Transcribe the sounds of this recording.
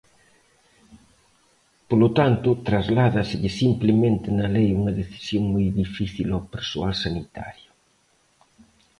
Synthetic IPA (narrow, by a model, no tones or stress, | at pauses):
polot̪ant̪ʊt̪ɾazlaðɐsɪʎɪsimplemẽnt̪ɪnɐlejuŋɐðeθi̥sjoŋmɔjðifiθilawpeɾsoalsanit̪a̰ɾjʊ